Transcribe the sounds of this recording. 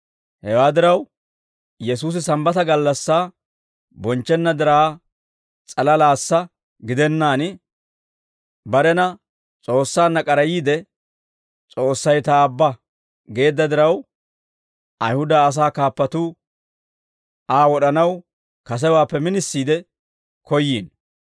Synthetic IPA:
hɛwaːd̪ɪɾɐw | jɛsuːs̬ɪsɐmbɐt̪ɐɡɐlːɐsːaː | bɔnt͡ʃːɛnːɐd̪ɪɾaː | t͡sʼɐlɐlaːsːɐ | ɡɪd̪ɛnːaːnɪ | bɐɾɛnɐ | t͡sʼo̞ːsːaːnːɐkʼɐɾɐjiːd̪ɛ | t͡sʼo̞ːsːɐjt̪aːbːɐ | ɡe̞ːd̪ːɐd̪ɪɾɐw | ʔɐjhʊd̪aːs̬aːkaːpːɐt̪uː | ʔaːwɔɗɐnɐw | kɐs̬ɛwaːpːɛmɪnɪsːiːd̪ɛ | kɔjːiːn

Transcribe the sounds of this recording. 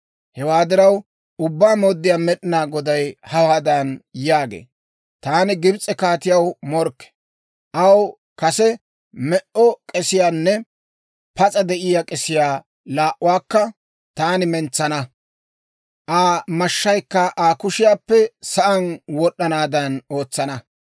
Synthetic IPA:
hɛwaːd̪ɪɾɐw | ʊbːaːmoːd̪ːɪjaːmɛɗɪnaːɡɔd̪ɐjhɐwaːd̪ɐnjaːɡḛː | t̪aːnɪɡɪbt͡sʼːɛkaːt̪ɪjɐwmɔɾkːɛ̥ | ʔɐw | kɐsɛ | mɛʔɔkʼɛsɪjaːnːɛ | pɐt͡sʼɐd̪ɛʔɪjaːkʼɛsɪjaː | laːʔʊwaːkːɐ | t̪aːnɪmɛnt͡sːɐnɐ | ʔaːmɐʃːɐjkːɐʔaːkʊʃɪjaːpːɛsɐʔɐnwɔɗːɐnaːd̪ɐno̞ːt͡sːɐnɐ

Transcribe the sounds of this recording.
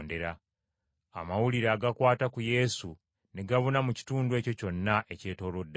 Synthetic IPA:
nde̞ɾa | a̰mawuliɾaːɡakwaːtakuje̞su | ne̞ɡaβunamuci̥tuːnduwe̞ːco̞co̞nːaʔe̞ce̞ːto̞ːlodːa

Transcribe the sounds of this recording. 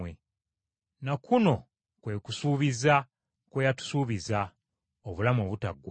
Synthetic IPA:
e | nakʰuno̞ | kwe̞ːkusuːβiza | kwejatu̥suːβiza | oβulamoːβuta̰ɡː

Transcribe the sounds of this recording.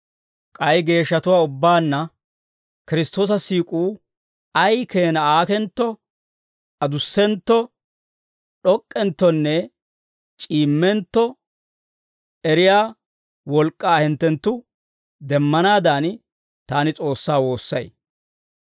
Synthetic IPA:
kʼɐjɡe̞ːʃːɐt̪ʊwaːʊbːaːnːɐ | kɪɾɪst̪o̞ːs̬ɐsiːkʼuː | ɐjke̞ːnɐaːkɛnt̪ːɔ | ɐd̪ʊsːɛnt̪ːɔ | ɗɔkʼːɛnt̪ːɔnːɛ | t͡ʃʼiːmːɛnt̪ːɔ | ɛɾɪjaː | wɔlkʼːaːhɪnt̪ːɛnt̪ːʊ | d̪ɛmːɐnaːd̪aːn | t̪aːnɪt͡sʼo̞ːsːaːwo̞ːsːɐ̰j

